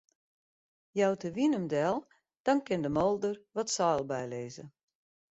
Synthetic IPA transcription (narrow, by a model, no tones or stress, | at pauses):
jawtəʋinəmdɛlˠ | d̥ɔnkɪndəmolˠdərʋɔtsɔːlˠbɛjleːzə̰